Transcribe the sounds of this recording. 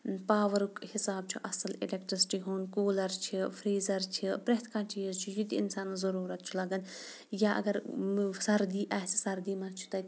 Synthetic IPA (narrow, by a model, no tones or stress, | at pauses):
paːʋɐɾukhɪsaːb̚t͡ʃʰuʔɐsɐlɪ̰lekʈɾisʈiːɦuːnkoːlɐɾt͡ʃʰifʰɾiːzɐɾt͡ʃʰipɾeɦt̪ʰkãːt͡ʃiːzt͡ʃʰujud̪iɪ̰nsaːnɐzɐɾuːɾɐt̪t͡ʃʰulɐɡɐn | jaʔɐ̰ɡɐɾsɐɾd̪iːʔaːsʰi̥sɐɾd̪iːmɐt͡ʃʰu̥t̪ɐ